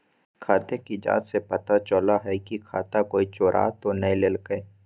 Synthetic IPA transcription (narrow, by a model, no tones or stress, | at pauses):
kʰaːt̪ekid͡ʒa̰ːt̪sepɐt̪at͡ʃəlaɦɛkikʰaːt̪akoːit͡ʃoːɾʔa̰ːt̪onɐĩleːlkəe